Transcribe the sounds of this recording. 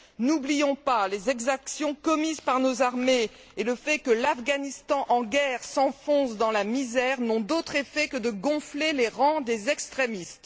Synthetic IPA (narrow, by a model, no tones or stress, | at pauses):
nublijɔ̃palezɛɡzaksjɔ̃kɔmizpaʁnozaʁme | eləfɛkəlafɡanist̪ɑ̃ʔɑ̃ɡʲɛʁsɑ̃fɔ̃sd̪ɑ̃lamizɛʁnɔ̃d̪ot̪χefɛkəd̪əɡɔ̃fleleʁɑ̃d̪ezɛkst̪χemist̪